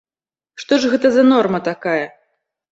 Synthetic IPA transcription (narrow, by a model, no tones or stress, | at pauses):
ʂt̪ɔʐɣɛt̪ɐzɐnɔrmɐt̪akajɐ